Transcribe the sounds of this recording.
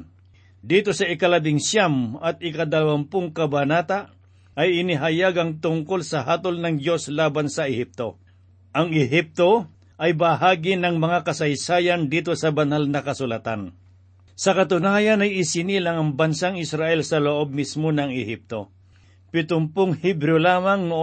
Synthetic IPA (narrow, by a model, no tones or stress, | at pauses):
d̪iːt̪o̞sɐɪkɐlɐbɪŋsjamɐt̪̚ɪkɐd̪ɐlɐwampoŋkɐbɐnaːt̪aʔ | ʔɐjɪnɪɦɐjaɡɐŋt̪ʊŋkolsɐɦaːt̪olnɐŋd͡ʒo̞slaːbansɐɪhɪp̚t̪o̞ | ʔɐŋɪɦɪp̚t̪o̞ | ʔɐjbɐɦaːɡɪnɐŋmɐŋakɐsɐjsaːjɐnd̪iːt̪o̞sɐbɐnalnɐkɐsʊlat̪an | sɐkɐt̪ʊnaːjɐnɐjɪsɪnilaŋɐŋbɐnsaŋɪsɾaʔɛlsɐloʔo̞b̚mismonɐŋɪhip̚t̪o̞ | pɪt̪ʊmpoŋhɪbɾolaːmaŋnʊ